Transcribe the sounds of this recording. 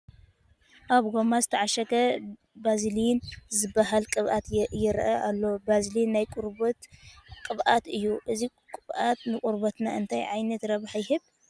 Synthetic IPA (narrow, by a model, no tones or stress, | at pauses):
ʔaβɡo̞mazɨt̪ʰɐʕaʃɐɡɐ | bazlijnzɨbːahalkʼɨβʔat̪jɛɾʔɐʔalːobazlijnːajkʼuɾbɐt̪kʼɨβʔat̪ɨjːuʔɨzi | kʼɨβʔat̪nɨkʼuɾbɐt̪na̰ɨnt̪ʰajʕajnɐt̪ɾɐβħajhɨβ